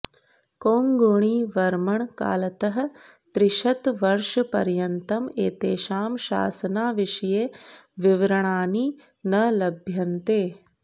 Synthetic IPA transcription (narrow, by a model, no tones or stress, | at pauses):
koːŋɡuɳ̃iːʋɐɾmɐɳka̰ːlɐt̪ɐɦɐ̆ | t̪ɾɪʃɐt̪ʋɐɾʃɐpɐ̰ɾjɐnt̪ɐmeːt̪eːʃaːmʃa̰ːsɐnaːʋiʂɐjeːʋiʋɾɐɳaːni | nɐlɐbʱjɐnt̪eː